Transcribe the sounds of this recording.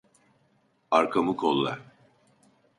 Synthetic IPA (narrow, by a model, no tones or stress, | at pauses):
aɾkʰamukʰolˠːa̰